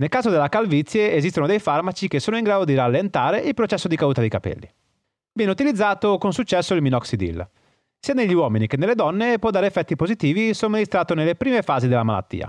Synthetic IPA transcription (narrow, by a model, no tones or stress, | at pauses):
nelkaːzod̪elːakalvit̪sːjeezis̬t̪onod̪ejfarmat͡ʃikesːoːnoiŋɡɾaːd̪od̪iɾalːent̪aːɾeʔilpɾot͡ʃɛsːod̪ikauːt̪ad̪ikapḛlːḭ | vjɛːneut̪ilid̪zːaːt̪okonsut͡ʃːɛsːoilminɔksid̪ḭl | siːaneʎːiwɔːminikenːelːed̪ɔnːepwɔd̪aːɾefːɛt̪ːipozit̪iːvisominist̪ɾaːt̪onelːepɾiːmefaːzid̪elːamala̰t̪ːḭːa̰